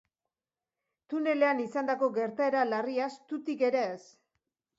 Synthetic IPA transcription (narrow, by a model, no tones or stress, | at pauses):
t̪une̞le̞anisand̪ako̞ɡe̞ɾt̪ae̞ɾalariast̪ut̪ike̞ɾe̞ːs